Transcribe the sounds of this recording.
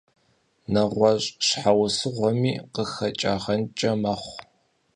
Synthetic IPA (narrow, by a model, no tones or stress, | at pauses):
nɐʁʷɔɕʼɕħawsɨʁʷɔmiːqəxɐt͡ʃʼaːʁɐnt͡ʃʼɐmɐχʷ